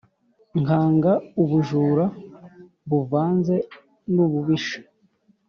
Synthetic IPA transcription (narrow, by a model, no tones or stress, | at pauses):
ŋhaːŋɡauβuʒuːɾa | βuvaːnze̞ | nuβuβiʃḁ